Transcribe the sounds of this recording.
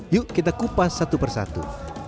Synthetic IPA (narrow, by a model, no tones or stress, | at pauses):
juʔkit̪akupasːat̪upərsa̰t̪ṵ